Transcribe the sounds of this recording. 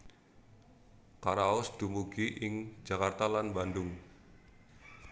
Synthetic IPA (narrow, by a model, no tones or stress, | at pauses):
kaɾaɔsd̪̥ṳmuɡ̥iʔɪŋd͡ʒakart̪alanbandʊŋ